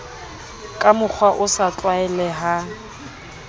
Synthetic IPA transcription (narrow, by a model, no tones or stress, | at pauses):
kʼamʊk͡xʰwaʔʊsat͡ɬʼwaɛlɛɦa